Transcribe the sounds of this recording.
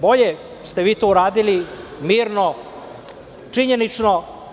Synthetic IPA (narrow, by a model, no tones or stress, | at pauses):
bo̞ʎe | st̪eʋiːt̪ouɾaːd̪ilimiːɾno̞ | t͡ʂiɲe̞nit͡ʃno̞